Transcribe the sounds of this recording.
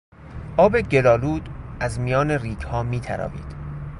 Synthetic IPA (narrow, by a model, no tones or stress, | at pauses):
ʔɒːbe̞ɟe̞lɒːluːd̪̥æzmijɒːneriːkhɒːmiːt̪ʰæ̰ɾɒ̰ːvḭːd̪̥